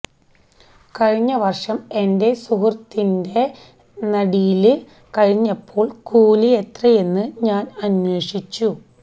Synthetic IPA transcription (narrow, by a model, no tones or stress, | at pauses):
kɐɻiɲːɐʋɐrʂɐme̞nde̞suɦrt̪ːinde̞ | nɐɽijilɨ | kɐɻiɲːɐpːo̞ːɭkuːlije̞t̪rɐje̞nːɨɲaːnɐnwe̞ːʂit͡ɕːu